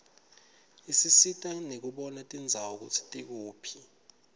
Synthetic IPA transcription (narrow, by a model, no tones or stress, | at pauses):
isisitʼanek̬uɓɔnatʼind͡zʱawuk̬utʰi̥tʼik̬uːpʰi̥